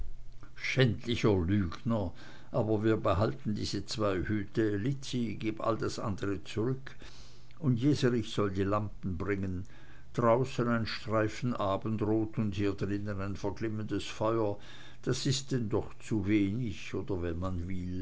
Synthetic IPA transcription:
ʃɛntʰlɪçɐlyːɡnɐ | ʔaːbɐviːɐbəɦaltn̩dḭːzət͡sv̥aɪhyːtəlɪt͡siɡeːpa̰ldasʔa̰ndəʁət͡suʁʏkʰ | ʊntjeːzəʁɪçz̥ɔldiːlampn̩bʁɪŋən | d̥ʁaʊsənaɪnʃtʁ̥aɪfn̩ʔaːbən̩tʁoːtʰʊnthiːɐdʁɪnənaɪnfɛɐklɪməndəsfɔʏɐ | d̥asɪst̚d̥ɛndɔχt͡suveːnɪçoːdɐvɛnmanvɪl

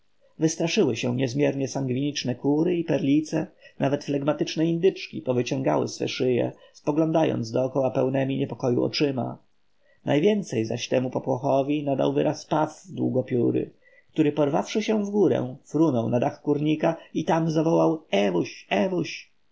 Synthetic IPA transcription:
vɘst̪ɾaʂɘwɘɕɛɲɛzmʲjɛɾɲɛsaŋɡvʲiɲit͡ʂnɛkuɾɘipɛɾlʲit̪sɛnavɛt̪flɛɡmat̪ɘt͡ʂnɛind̪ɘt͡ʂkʲipɔvɘt͡ɕɔ̃ŋɡa̰wɘ̰sfɛ̰ʂɘjɛ̰spɔɡlɔ̃nd̪ajɔ̰nd̪zd̪ɔːkɔwapɛwnɛmʲiɲɛpɔkɔjṵɔ̰t͡ʂɘma̰ | nʔajvʲjɛnt̪sɛjza̰ɕt̪ɛmupɔpwɔxɔvʲinad̪a̰wvɘɾaspavvd̪wuɡɔpʲjuɾɘ̰ | kt̪uɾɘpɔɾva̰fʂɘɕɛ̃vɡuɾɛ̰fɾunɔwnad̪axkuɾɲikait̪amzavɔwawɛvuɕɛvuɕ

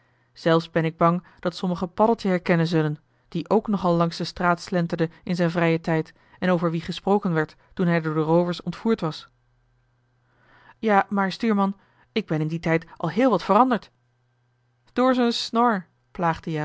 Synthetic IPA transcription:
z̥ɛlˠfszbɛnɪɡ̚bɑŋ | d̥ɑtsɔməχəpɑdəlˠtəɦɛɹkɛnənzɵlən | d̥iʔowknɔχɑlˠlɑŋsdəstraːtslɛntəɹdəɪnzɛjnvrɛjətɛjt | ɛnowvəɹʋiχəsprowkənʋɛɹtːunɦɛjdʊːɹdərowvəɹsɔ̰ntfuːɹtʋɑs | jaːmaːɹstyːɹmɑn | ɪɡ̚bɛnɪnditɛjtʔɑ̰lˠɦɪːlˠʋɑtfərɑndəɹt | d̥ʊːɹzonsnɔɹ | plaːχdəja

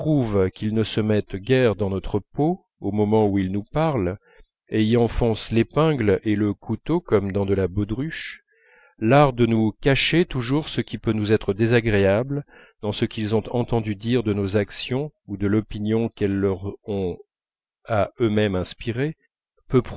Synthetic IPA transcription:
pχuvkʲilnəsəmɛt̪ɡʲɛʁd̪ɑ̃nɔt̪χəpo | omɔmɑ̃uilnupaʁl | eiɑ̃fɔ̃slepɛ̃ɡleləkʰut̪okɔmd̪ɑ̃d̪əlabod̪ʁyʃ | laʁd̪ənukaʃet̪uʒuʁsəkʲipønuzɛt̪χəd̪ezaɡʁeabl | d̪̥ɑ̃səkʲilzɔ̃t̪ɑ̃t̪ɑ̃d̪yd̪iʁd̪ənozaksjɔ̃ud̪əlɔpinjɔ̃kɛlːəʁɔ̃ | aømɛmɛ̃spiʁe | pøp

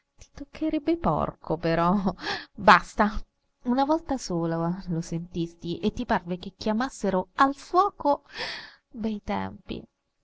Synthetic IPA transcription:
t̪i̥t̪okʰːeɾɛbːepɔ̰rkʰopeɾɔ | bast̪a | unavɔlt̪asoːlalosent̪ist̪iʔet̪ːiparvek̟ekːjamasːeɾoalfwɔːko | b̪ɛjt̪ɛ̰mpḭ

